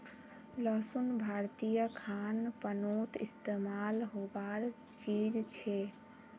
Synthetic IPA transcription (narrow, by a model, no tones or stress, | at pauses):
ləsunbʱaɾt̪ijəkʰanpənot̪ist̪emalɦobaɾ | t͡ʃid͡ʒt͡ʃʰɛ